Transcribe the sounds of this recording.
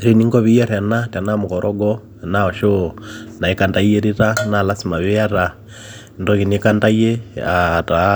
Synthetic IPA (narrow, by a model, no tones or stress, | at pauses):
ɾiniŋɡɔβijɛɾɛnatanamukɔɾʔɔɡɔ | naɔʃonaikandajeɾiɾanalasimaβijaɾa | ndɔkinikandajɛata